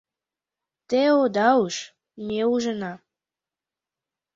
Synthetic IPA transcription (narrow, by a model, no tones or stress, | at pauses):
t̪eod̪ɑuʃ | meuʒənɑ